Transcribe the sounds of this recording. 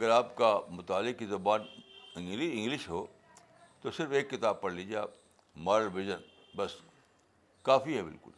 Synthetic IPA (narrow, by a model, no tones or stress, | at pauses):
ɐɡəɾaːpkamʊt̪aːlːɪkːizɐbaːnɪ̃ŋɡlɪɪ̃ŋɡlɪʃɦoː | t̪osɪɾfeːkːɪt̪aːb̚pɐɽlid͡ʒaː | maːɾəlʋɪʒən | bɐs | kaːfiɦɛbɪ̰lkʊ̰l